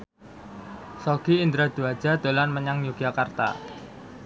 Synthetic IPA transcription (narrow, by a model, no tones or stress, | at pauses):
soɡ̥iind̪ɾad̪̥uḁd͡ʒ̥ad̪̥o̤lanməɲaŋjuɡ̥akart̪a̰